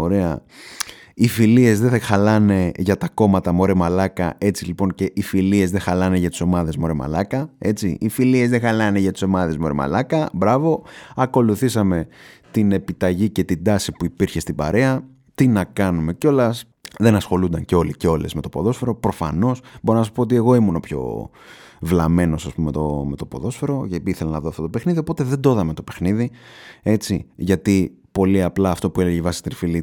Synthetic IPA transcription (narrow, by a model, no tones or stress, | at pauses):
oɾeɐ̰ | ifilie̞zðexɐlɐne̞ʝɐt̪ɐko̞mɐt̪ɐmo̞ɾemɐlɐkɐ̰e̞t͡silipo̞nce̞ʔifilie̞zðexɐlɐne̞ʝɐt̪i̥so̞mɐðe̞zmo̞ɾemɐ̰lɐkɐe̞t͡sḭifilie̞zðexɐlɐne̞ʝɐt̪i̥so̞mɐðe̞zmo̞ɾḛmɐ̰lɐkɐbɾɐvo̞ɐko̞luθisɐme̞t̪ine̞pit̪ɐʝice̞t̪id̪ɐsipuipiɾçe̞st̪ibɐ̰ɾe̞ɐ | t̪inɐkɐnume̞co̞lɐs | ðe̞nɐsxo̞lund̪ɐnɲceo̞liceo̞le̞̰zme̞t̪o̞po̞ðo̞sfe̞ɾo̞pɾo̞fɐ̰no̞sboɾonɐsɐspoot̪̬ie̞ɣo̞imunopço̞̰ | vlɐme̞no̞sɐspumemt̪ome̞t̪opo̞̰ðo̞sfe̞ɾo̞ceiθelɐnɐðoɐft̪ot̪ope̞xniðiopo̞t̪e̞ðe̞d̪o̞ðɐme̞t̪o̞pe̞xniðie̞t͡siʝɐt̪i | po̞liɐplɐːft̪o̞pueleʝivɐsi̥t̪infili